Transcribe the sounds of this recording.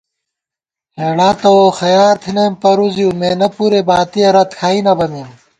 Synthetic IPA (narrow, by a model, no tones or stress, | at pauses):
heːɽaːt̪ɐwoxɐjaːɾt̪ʰinempɐɾuzijumeːnɐpuɾebaːt̪iɐɾɐt̪kʰaːinɐbɐmim